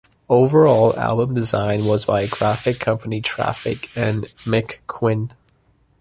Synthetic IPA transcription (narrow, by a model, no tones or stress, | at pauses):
oʊvə˞ɔlˠa̰lˠbə̃mdɪzãɪ̃nwʌzbaɪəɡɹæfɪkʰːʌ̃mpənitʰɹ̥æ̰fɪ̰kɨ̃nmɪkʰːw̥ɪ̃n